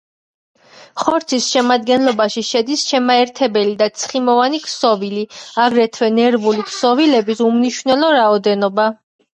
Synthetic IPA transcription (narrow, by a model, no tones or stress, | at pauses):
χɔɾt̪sʰisʃɛmad̪̚ɡɛnlˠɔbaʃiʃɛd̪isʃɛmaɛɾt̪ʰɛbɛlid̪at̪sʰχimɔvanikʰsɔviliaɡɾɛt̪ʰvɛnɛɾvulikʰsɔvilɛbisumniʃwvnɛlˠɔɾaɔd̪ɛnɔba